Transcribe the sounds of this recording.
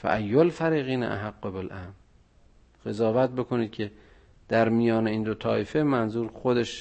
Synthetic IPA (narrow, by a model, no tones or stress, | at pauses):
fæ̰ʔæjːolfæɾiːɣiːnæ̰ʔa̰ɦaɡːobelʔæ̰m | ɣ̥ezɒːvæt̪̚be̞kʰoniːd̪̥̚cʰe̞ | d̪̥æɾmijɒːneiːnd̪ot̪ʰɒːefemænzuːɾxod̪e̞ʃ